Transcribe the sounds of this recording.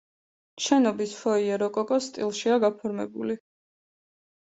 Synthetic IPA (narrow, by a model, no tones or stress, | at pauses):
ʃɛnɔbisfɔiɛɾɔkʼɔkʼɔst̪ʼilˠʃiaɡapʰɔɾmɛbuli